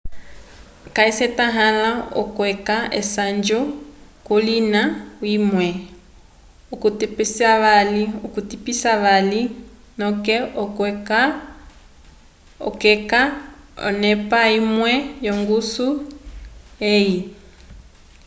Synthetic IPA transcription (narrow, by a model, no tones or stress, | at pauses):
kaisɛtaɦalaɔ̰kwɛkaɛsand͡ʒɔkulinawimwɛ | ukutpsiaβaliukutipisaβali | nɔkɛɔka | ɔ̰kɛkaɔ̰nɛpaimwɛjɔŋɡusu | ɛji